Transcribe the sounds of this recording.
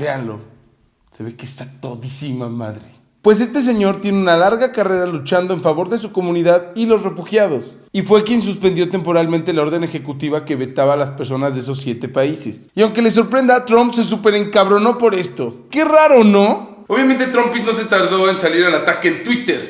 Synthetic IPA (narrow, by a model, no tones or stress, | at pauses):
be̞anlo̞̰ | se̞βe̞kesat̪oðisimama̰ðɾe | pwe̞s̬e̞st̪e̞s̬e̞ɲo̞ɾt̪je̞neunalaɾɣakare̞ɾalut͡ʃand̪o̞eɱfaβo̞ɾðe̞s̬uko̞mũniðaðilo̞zre̞fuxjað̞o̞s | ifwe̞kje̞ns̬uspend̪jo̞t̪e̞mpo̞ɾalment̪e̞lao̞ɾðe̞ne̞xe̞kut̪iβake̞βe̞t̪aβaːlaspeɾs̬o̞nazðees̬osːje̞t̪e̞paise̞̰siawŋke̞le̞s̬o̞ɾpɾe̞nd̪at̪ɾo̞mpse̞s̬upe̞ɾeŋkaβɾo̞no̞po̞ɾe̞st̪o̞ke̞raɾo̞no̞ | oβjament̪et̪ɾo̞mpit̪no̞s̬e̞t̪aɾðo̞ensaliɾalat̪akent̪wit̪e̞ɾ